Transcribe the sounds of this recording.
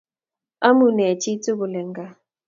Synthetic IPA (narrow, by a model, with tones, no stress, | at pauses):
a˦mu˨nɛ˨t͡ʃi˦t͡sʼu˦βu˨lɛ˨ŋɡa˦